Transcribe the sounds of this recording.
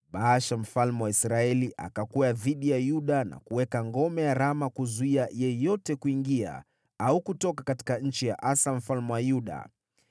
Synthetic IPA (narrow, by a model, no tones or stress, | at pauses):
ɓaaʃam̩falmɛwaisɾaɛliʔa̰kakuaðiɗijajuɗana̰kuwɛkaŋɡɔmɛjaɾamakuzuiajɛjɔtɛkuiŋɡia̰ | aukutɔkakati̥kaɲ̩t͡ʃijaʔasam̩falmɛwajuɗa̰